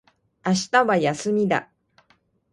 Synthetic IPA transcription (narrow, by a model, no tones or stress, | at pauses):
aɕi̥t̪aβajasɨmʲid̪a̰